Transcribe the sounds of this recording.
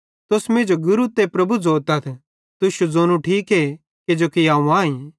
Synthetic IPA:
t̪ʊsmẽːd͡ʒoɡʊɾut̪epɾɐbud͡zoːt̪ɐt̪ʰ | t̪ʊʃud͡zoːnũʈʰiːkɦe | ked͡ʒoːkijaːũãːĩ

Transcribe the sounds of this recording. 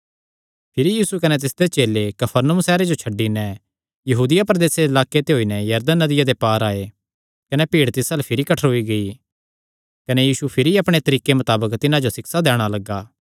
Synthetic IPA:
pʰɪɾijiːsukɐnɛt̪̬ɪsd̪et͡ʃeːlekɐpʰəɾnəũsɛːɾed͡ʒot͡ʃʰɐɖːinɛ | jɐɦuːd̪ɪjapɾɐd̪eːseɪlaːket̪eɦoːinɛjɐɾd̪ənːɐd̪ɪjad̪epaːɾaːe | kɐnepiːɽt̪ɪsalɛpʰɪɾikɐʈʰəɾɦoiɡɐi | kɐnejiːsupʰɪɾiɐpɽ̃et̪ɐɾiːkemɐt̪aːbəkt̪ɪnãd͡ʒosɪksad̪ɛːɽ̃alɐɡːaː

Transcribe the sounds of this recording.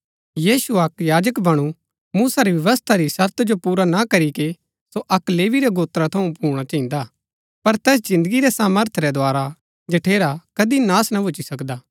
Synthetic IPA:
jiːsuɐkjaːd͡ʒəkbɐɽ̃u | muːsaɾiʋjɐʋəst̪ʰaɾisɐɾt̪ʰd͡ʒopuːɾanakɐɾiki | soʔɐkleːʋiɾɛɡoːt̪ɾat̪ʰɐũpuːɽ̃at͡ʃɐɦĩnd̪a | pɐɾt̪ɛːs̬d͡ʒɪ̃nd̪əɡiɾɛsaːməɾt̪ʰɾɛd̪oaːɾa | d͡ʒɐʈʰeːɾakɐd̪inaːsnabʱʊt͡ʃisɐkd̪aː

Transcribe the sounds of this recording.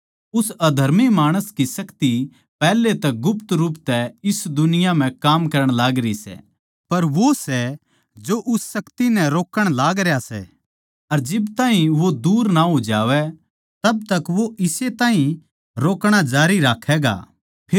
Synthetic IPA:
ʊsɐd̪ʱɐɾmimaːɽ̃əskisɐkt̪i | pɛːlet̪ɛɡʊpt̪ɾuːpt̪ɛɪsd̪ʊnɪjam̤ɛ̃kaːmkɐɾəɽ̃laːɡɾisɛ̰ | pɐɾʋosɛ | d͡ʒoʔʊsːɐkt̪inɛ̃ɾoːkəɽ̃laːɡɾejasɛ̰ | ɐɾd͡ʒɪbt̪ãːɦĩʋod̪uːɾnaɦoːd͡ʒaːʋɛ | t̪ɐb̚t̪ɐkʋoɪset̪ãːɦĩ | ɾoːkɽ̃ad͡ʒaːɾiɾaːkʰɛːɡa̰ː | pʰː

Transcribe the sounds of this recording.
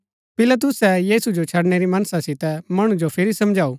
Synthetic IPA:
pɪlət̪̬ʊsɛjiːsud͡ʒot͡ʃʰɐɽñɛɾimɐnsãsɪt̪ɛmɐɽ̃ũd͡ʒopʰɪɾisɐmd͡ʒʱaːuː

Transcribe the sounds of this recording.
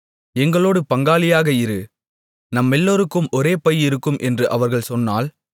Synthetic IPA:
ɛŋɡɐɭoːɽɯpɐŋɡaːlɪjaːɣɐɪɾɯ | nɐmːɛlːoːɾɯkːɯmʔɔɾeːpɐjɪɾɯkːɯmʔɛndrɯʔɐʋɐɾɣɐɭsɔnːa̰ːl

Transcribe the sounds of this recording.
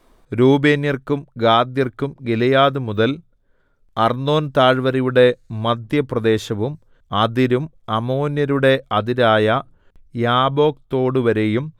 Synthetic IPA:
ɾuːbeːnjɐrkumɡaːd̪jɐrkumɡilɐjaːðɨmuðɐl | ɐrno̞ːnt̪aːɻʋɐɾijuɽe̞mɐd̪ʱjɐprɐd̪e̞ːɕɐʋum | ɐðiɾum | ɐmo̞ːnjɐɾuɽe̞ʔɐðiɾaːjɐ | jaːbo̞ːk̚t̪o̞ːɽɨʋɐɾe̞jum

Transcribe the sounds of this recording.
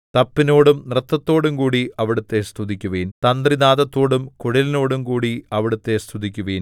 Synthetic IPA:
t̪ɐpːino̞ːɽumnrɨt̪ːɐt̪ːo̞ːɽumkuːɽiɐʋiɽut̪ːe̞st̪ʰud̪ikʲːuʋejnt̪ɐnd̪rinaːðɐt̪ːo̞ːɽumkuɻilino̞ːɽumkuːɽiɐʋiɽut̪ːe̞st̪ʰud̪ikʲːuʋejn

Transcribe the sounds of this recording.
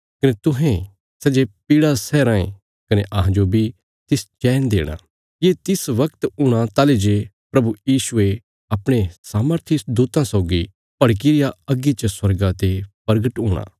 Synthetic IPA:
kɐnet̪ʊɦẽ | sɛd͡ʒepiːɽasɛɾãːḛ̃ | kɐneʔɐɦãd͡ʒobʱi | t̪ɪst͡ʃɛːnd̪ḛːɽ̃a̰ː | jeːt̪ɪsʋɐkt̪uːɽ̃at̪aːled͡ʒe | pɾɐbujiːsʊe | ɐpɽ̃esaːməɾt̪ʰisd̪uːt̪ãsɐʊɡi | pɐɽk̬iɾɪjaɐɡit͡ʃəswɐɾɡat̪epɐɾɡəʈɦuːɽ̃a̰ː

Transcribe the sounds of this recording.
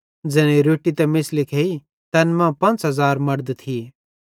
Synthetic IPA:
d͡zɛːñeɾoːʈːit̪ɛmɪslɪkʰeːi | t̪ɛːnmɛ̃pɐ̃nt͡sɦɐzaːɾmɐɾd̪t̪ʰi

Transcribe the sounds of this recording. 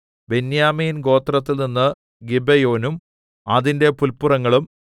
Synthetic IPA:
be̞njaːmiːnɡo̞ːt̪rɐt̪ːilninːɨ | ɡibejo̞ːnum | ɐðinde̞pulpurɐŋːɐɭum

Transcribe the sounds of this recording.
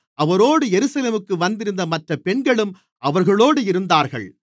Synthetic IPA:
ʔɐʋɐɾoːɽɯjɛɾɯsɐleːmɯkːɯʋɐnd̪ɪɾɯnd̪ɐmɐʈrɐpɛɳɡɐɭɯm | ʔɐʋɐɾɣɐɭoːɽɯɪɾɯnd̪aːɾɣɐ̰ɭ

